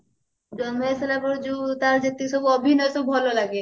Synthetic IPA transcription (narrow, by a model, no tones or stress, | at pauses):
d͡ʒɔmɔselapɔɾd͡ʒut̪aɾd͡ʒat̪isɔbuɔbʱinɔjsobʱɔlolaɡe